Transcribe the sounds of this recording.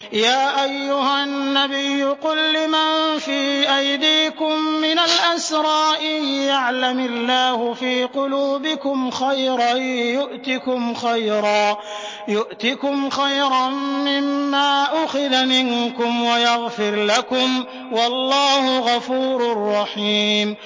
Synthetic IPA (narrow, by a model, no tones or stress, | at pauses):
jaːʔajːʊhanːabɪjːʊqʊlːɪmanfiːʔajd̪iːkʊmːɪnalʔasɾˤɑːʔiljaʕlamalːaːhʊfiːqʊluːbɪkʊmxajɾˤɑjʊʔt̪ɪkʊmxajɾˤɑː | jʊʔt̪ɪkʊmxajɾɑmːɪmːaːʔʊxɪðamɪŋkʊmwajaɣfɪɾlakʊm | wɑlːɑːhʊɣɑfuːɾʊrˤːɑħiːm